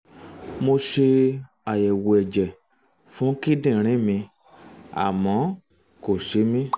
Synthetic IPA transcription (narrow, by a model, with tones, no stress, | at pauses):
mo˧ʃe˧ | a˨jɛ˨wo˨ɛ˨d͡ʒɛ˨ | fũ˨˦ki˦dĩ˦˨ɾ̃ĩ˦mĩ˧ | a̰˨mɔ̃˨˦ | ko˨ʃe˧˦mĩ˦